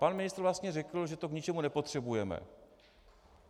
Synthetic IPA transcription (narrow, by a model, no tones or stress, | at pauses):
panmɪnɪst̪ɾvlast̪ɲɛrɛkl̩ʒɛt̪o̞kɲɪt͡ʃɛmunɛpo̞t̪r̝̥ɛbujɛmɛ̰